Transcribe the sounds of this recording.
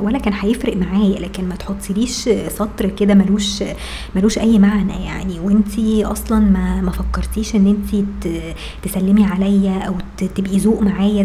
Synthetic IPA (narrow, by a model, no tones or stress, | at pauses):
wælːækæːnħæjefɾeʔmaʕaːjælæːkenmæt̪ħot̪ˤːiliːʃsɑt̪ˤɾked̪æmæluːʃ | mæluːʃʔæjːmaʕnæ̰ja̰ʕniwent̪ʰiʔɑsˤlɑnmæmæfɑkːɑɾˤt̪iːʃʔenːʔent̪it̪ | t̪esælːemiʕalæjːæʔæw̪ | t̪ebʔizoːʔmaʕaːjæ